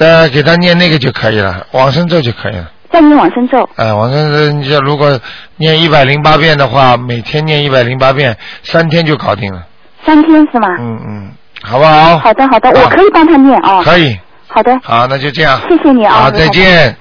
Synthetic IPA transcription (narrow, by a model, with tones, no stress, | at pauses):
t̪ə˥˧ke˨˩ɪt̪ʰa˥njɛ˥˧nna˥˩ɡə˩t͡ɕjo˥˧ʊkʰɤ˧˥i˨˩lə̰˩˦wɑ˨˩ŋʂɤ˥ŋt͡so˥˧ʊt͡ɕjo˥˩ʊkʰɤ˧˥ḭ˨˩lə˦t͡sa˥˧ɪnjɛ˥˩nwɑ˨˩ŋʂə˥ŋt͡so˥˩ʊɛ˥˧˩wɑ˨˩ŋʂə˥ŋo˥˧n˧t͡ɕo˥˩lu˧˥kwɔ˨˩njɛ˥˧ni˥˩pa˨˩ɪli˧˥ŋpa˥pjɛ˥˩nd̪ə˩xwa˥˩me˨˩ɪt̪ʰjɛ˥nnjɛ˥˧ni˥˩pa˨˩ɪli˧˥ŋpa˥pjɛ˥˩nsa˥nt̪ʰjɛ˥nt͡ɕjo˥˩ʊkɑ˨˩ʊt̪i˥˩ŋlə˩ | sa˥nt̪ʰjɛ˥nʂɻ̩˥˩mɐ˩n̩˥˩˥ | xɑ˨˩ʊbə˦xɑ˨˧˦ʊxɑ˨˩ʊd̪ə˦xɑ˨˩ʊd̪ə˦˧wɔ˨˩kʰɤ˧˥i˨˩pɑ˥ŋt̪ʰa˥njɛ˥˩nʔɐ˥˩kʰɤ˧˥i˨˩ | xɑ˨˩ʊd̪ə˦xɑ˨˩˦na˥˧t͡ɕjo˥˧ʊʈ͡ʂɤ˥˧jɑ˥˩ŋɕjɛ˥˩ɕjɛ˨˩ni˨˧˩t͡sa˥˧ɪt͡ɕjɛ˥˩n